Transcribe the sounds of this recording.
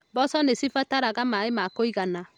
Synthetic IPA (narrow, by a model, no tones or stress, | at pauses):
bɔsɔnesifataɾaɣamaemakoiɣana